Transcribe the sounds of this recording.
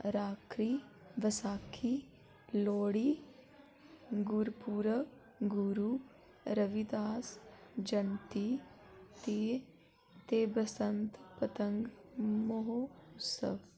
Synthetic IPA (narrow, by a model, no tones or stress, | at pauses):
ɾaːkɾiːʋɐsaːkʰi | loːɽi | ɡuɾpuːɾə | ɡuɾu | ɾəʋid̪aːsd͡ʒɐnt̪i | t̪eː | t̪eːbɐsənt̪pɐt̪əŋɡmoɦoʊsə̰ʋ